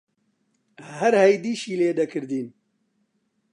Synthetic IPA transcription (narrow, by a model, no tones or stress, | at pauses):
hɛɾhɛjd̪iːʃiːleːd̪ɛkʰɨɾd̪iːn